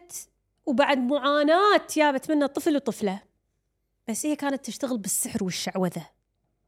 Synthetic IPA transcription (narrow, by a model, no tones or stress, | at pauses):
t̪ | wbaʕd̪mʊʕaːnaːt̪jaːbat̪manːat̪ˤːɨflwt̪ˤːɨfla | b̥asːʔɪjːakaːnat̪ːɪʃt̪aɣɪlbɪsːɪħɾwɪʃːaʕwaða